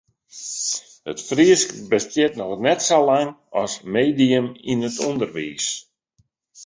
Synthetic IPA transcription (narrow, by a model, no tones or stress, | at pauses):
hətfriəskbəstjɪtnɔxnɛtsolaŋɔsmeːdiəminətʰundərʋḭːs